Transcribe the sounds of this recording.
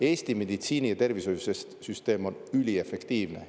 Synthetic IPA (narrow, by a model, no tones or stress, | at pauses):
e̞ːst̪ime̞d̪̥it̪siːnijɑt̪e̞rviso̞jusessyst̪e̞ːmo̞nylʲie̞fekt̪iːvne